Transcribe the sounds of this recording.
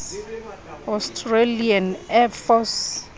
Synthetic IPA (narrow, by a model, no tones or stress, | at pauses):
ɔstʰrelianɛfɔs